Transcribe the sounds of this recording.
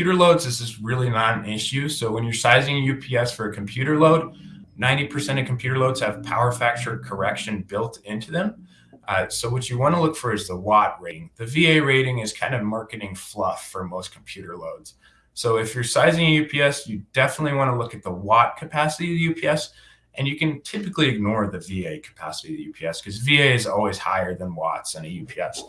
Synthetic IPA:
jʉɾə˞loʊdzɨzɨzɹɪlˠinə̃nɪʃʉsoʊwə̃njə˞saɪzɪ̃ŋɨjʉpʰiɛsfə˞ɨkʰm̩pʰj̥ʉɾə˞loʊd̚nãɪ̃ntipʰə˞sɛ̃ɾ̃ʌv̥kʰm̩pʰj̥ʉɾə˞loʊdz̥ɨv̥pʰa̰ʊə˞fæk̚t͡ʃə˞kʰə˞ɛkʃɨ̃nbɪlˠtɪ̃ntʰʉðɨ̃m | soʊwʌt͡ʃɨwɑ̃ñəlʊkfə˞ɨzðəwɑt̚ɹeɪ̃ŋðɨvieɪɹeɪɾɪ̃ŋɨz̥kʰãɪ̃ndʌvmɑɹkɨɾɪ̃ŋflʌfə˞moʊskʰm̩pʰj̥ʉɾə˞loʊdz̥ | soʊɨfjə˞saɪzɪ̃ŋɨjʉpʰiɛsjɨdɛfənətˡliwɑ̃ñəlʊkɨt̪̚ðəwɑt̚kʰɨpʰæsɨɾiʌðjʉpʰiɛs | ʔɨ̃njɨkɨ̃ntʰɪpɨkliɨɡ̚nɔɹðɨvieɪkʰə̥pʰæ̰səɾiʌvðjʉ̰pʰiɛskʰʌzvieɪɨzɔ̰lˠwiz̥ha̰ɪə˞ðə̃nwɑ̰tsɨ̃nɨjʉpʰiɛs

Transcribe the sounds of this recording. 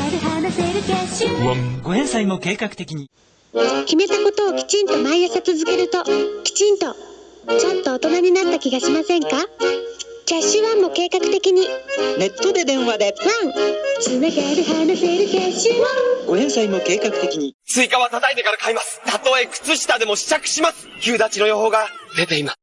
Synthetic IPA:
eɾɯ̟ɦanoseːɾɯ̟kʲaɕɨɡo̞ẽ̞ɰ̃saimo̞ke̞ːkakɯ̟t̪e̞kʲiɲ̟i | kʲime̞t̪ako̞t̪o̞ːkʲi̥t͡ɕĩnt̪o̞maijasat͡sɨzɨke̞ɾɯ̟t̪o̞kʲi̥t͡ɕĩnt̪o̞ | t͡ɕo̞t̪ːo̞ːt̪o̞naɲ̟inat̪ːakʲiɡaɕimasẽ̞ŋka | kʲaɕːɨβamːo̞ke̞ːkakɯ̟̥t̪e̞kʲiɲ̟ine̞t̪ːod̪e̞d̪ẽ̞ɰ̃βad̪e̞βãŋɸɯ̥t͡sɨːneɡeɾɯ̟ɦaɾanɯse̞ːɾɯ̟se̞ːɕĩoɡoẽɰsaimo̞ke̞ːkakɯ̟̥t̪e̞kʲiɲ̟it͡sɨikaβat̪at̪ait̪e̞kaɾakaimasɨ̥t̪at̪o̞e̞kɯ̥t͡sɨɕi̥t̪ad̪e̞mo̞ɕi̥t͡ɕakɯ̟̥ɕimasɨ̥kʲɨːd̪at͡ɕino̞jo̞ɦo̞ːɡad̪e̞t̪e̞imas

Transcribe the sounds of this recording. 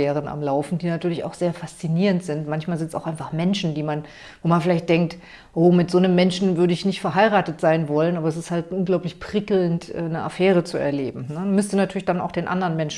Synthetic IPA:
ɛːʁ̞əna̰mlaʊfn̩d̥iːnatʰyːɐlɪça̰ʊxz̥eːɐfast͡siniːʁəntz̥ɪntmançmaːlzɪntsaʊxʔaɪnfaχmɛnʃn̩diːman | voːmanfɪlaɪçt̚d̥ɛŋk̚t | ʔoːmɪtz̥oːnəmːɛnʃn̩vʏɐɾəɪçnɪçtfɛɐɦaɪʁaːtətz̥aɪnvɔlənʔaːbɐɛs̬ɪsthaltʔʊnɡlaʊplɪçpʁ̥ɪkl̩ntʔɛːnəʔa̰fɛːʁət͡suɛ̰ɐleːbm̩nəmʏstənatʰyːɐlɪçd̥ana̰ʊxd̥eːnʔa̰ndɐʁənmɛnʃ

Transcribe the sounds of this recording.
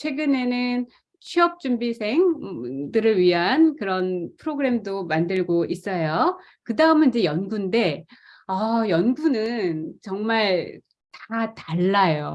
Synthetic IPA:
t͡ɕʰwe̞ɡɯne̞nɯn | t͡ɕʰiʌp̚t͡ɕ͈umbisʰe̞ŋdɯɾɯɭɥiɦankɯɾʌnpʰɯɾoɡɯɾe̞mdomandɯɭɡoʔis͈ʌjo | kɯdaɯmenid͡ʑe̞jʌnɡunde̞ | ʌjʌnɡunɯnt͡ɕʌŋmaɭ | tataɭːajo

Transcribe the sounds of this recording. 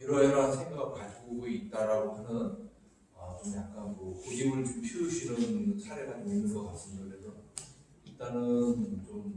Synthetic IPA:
iɾʌeɾʌnsʰe̞ŋɡaɡɯɭkad͡ʑʰɡoɡoit̚t͈aɾaɡosanɯn | ʌt͡ɕomjak̚k͈anmʌkod͡ʑimɯɭt͡ɕompʰiuɕʰinɯnsʰaɾe̞ɡanmoimɯɭɡʌk͈as͈ɯmɲokɯɾe̞sʰʌ | iɭt͈anɯnt͡ɕom

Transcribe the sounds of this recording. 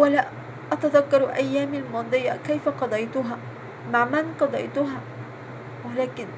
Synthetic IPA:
wala | ʔat̪aðakːɑɾˤʔajːaːmilmɑːd̪ˤɨjakajfaqɑd̪ˤɑjt̪ʊɦaː | maʕmanqɑd̪ˤɑ̰jt̪ʊɦaː | wɪlaːkɪn

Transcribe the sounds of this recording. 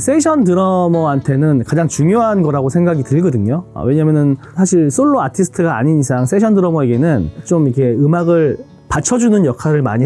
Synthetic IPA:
s͈ʰeɕʰʌndɯɾʌmʌantʰe̞nɯnkad͡ʑaŋt͡ɕuŋjoɦanɡʌɾaɡosʰe̞ŋɡaɡitɯɭɡʌdɯɲoʌ̰we̞ɲamjʌnɯn | sʰaɕʰiɭs͈ʰoɭːoatʰisʰɯ̥tʰɯɡa̰ːɲinisʰaŋs͈ʰe̞ɕʰʌndɯɾʌmʌeɡenɯnt͡ɕomikʰe̞ɯmaɡɯɭ | pat͡ɕʰʌd͡ʑunɯnjʌkʰaɾɯɭma̰ɲi

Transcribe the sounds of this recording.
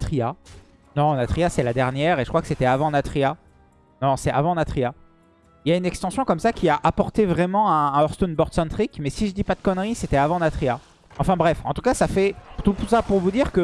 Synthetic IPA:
t̪χia | nɔ̃nat̪χiasɛlad̪ɛʁnjɛːʁeʒəkχwakə̥set̪ɛavɑ̃nat̪χia | nɔ̃sɛavɑ̃nat̪χia | iljaynɛkst̪ɑ̃sjɔ̃kɔmsakʲʰiaʔapɔʁt̪evʁɛmɑ̃ɛ̃ɛ̃ɔʁst̪onbɔʁd̪sɛ̃nt̪χikmɛsiʒəd̪ipad̪əkɔnʁiset̪ɛavɑ̃nat̪χia | ɑ̃fɛ̃bʁɛfɑ̰̃t̪ukasafɛt̪upsapuʁvud̪iʁkə

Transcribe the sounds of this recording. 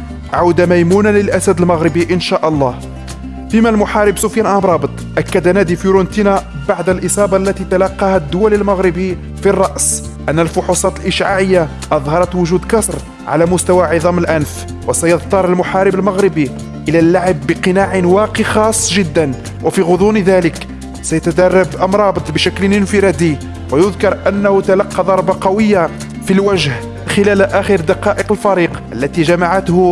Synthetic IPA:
ʕawd̪amæjmunaləlʔæsæd̪əlmɑɣɾɪbiʔənʃaʔɑlˤːɑh | fimælmʊħaːɾəbsufjænʔɑbɾˤɑbət̪ˤʔækːad̪ænæd̪ifiɾʊnt̪inæbaʕd̪əlʔəsˤɑːbɑlːæt̪it̪alɑqːɑhæd̪ːʊwæləlmaɣɾɪbi | firˤːɑʔs | ʔænːəlfʊħusˤɑt̪əlʔəʃʕaʕəjːa | ʔɑðˤɦɑɾˤɑt̪wʊʒuːd̪kɑsɾ | ʕa̰læmʊst̪æwaʕiðˤɑməlʔænf | wəsæjɑðt̪ˤɑɾˤəlmʊħaɾəbəlmaɣɾɪbi | ʔəlælːaʕəbːəqənaʕnwɑqixɑsˤːʒəd̪ːæn | wʔæfiɣʊd̪ˤunðælək | sæjæt̪æd̪ɑrˤːɑbʔɑmɾˤɑːbt̪ˤbəʃæklnənfəɾɑd̪i | wəjʊðkɑɾˤʔænːæhʊt̪alɑqːɑd̪ˤɑɾˤbɑqɑwəjːa | filwæʒh | xəlælʔæxəɾd̪ɑqɑʔəqəlfɑɾiːqʔəlːæt̪iʒæmaʕat̪hʊ

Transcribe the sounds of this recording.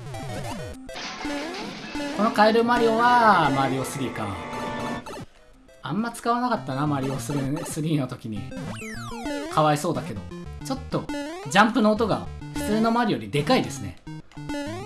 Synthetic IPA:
ko̞no̞kaeɾɯ̟maɾʲio̞βamaɾʲio̞sɨɾʲiːkã̰ŋ | amːat͡sɨ̥kaβanakat̪ːanamaɾʲio̞sɨɾsɨɾʲiːno̞t̪o̞kʲiɲ̟ḭ | kʰaβaiso̞ːd̪ake̞d̪o̞̰t͡ɕo̞t̪ːo̞d͡ʑãmpɯ̟noːt̪o̞ɡa̰ɸɯ̟̥t͡sɨːno̞maɾʲijo̞ɾʲid̪e̞kaid̪e̞sɨne̞̰

